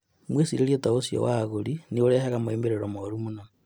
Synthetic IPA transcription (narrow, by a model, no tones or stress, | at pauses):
mwesiɾeljotaosijo̰waɣulinioɾeɦaɣamoembeɾeɾomoɾumuna